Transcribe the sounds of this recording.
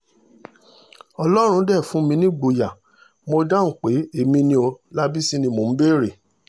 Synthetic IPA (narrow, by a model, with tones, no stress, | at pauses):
ɔ˧lɔ˦ɾ̃ũ˧˦dɛ˦˨fũ˨˦mĩ˧nĩ˦ɡ͡bo˨˧ja˨ | mo˧da˦˨ŋ̩˨k͡pe˨˦e˨mĩ˧nĩ˧o˧la˦bi˦sĩ˦nĩ˧mo˨m̩˦be˦˨ɾe˨